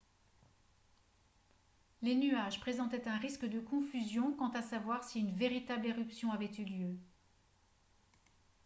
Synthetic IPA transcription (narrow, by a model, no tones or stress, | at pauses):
lenyaʒpχezɑ̃t̪ɛt̪ɛ̃ʁiskəd̪əkɔ̃fyzjɔ̃kɑ̃t̪asavwaʁsiynveʁit̪ableʁypsjɔ̃avɛt̪yljø